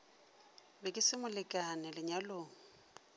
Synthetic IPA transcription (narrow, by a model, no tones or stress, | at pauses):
bɛkʼɪsɪmʊlɪkʼanɪlɪɲaloːŋ̩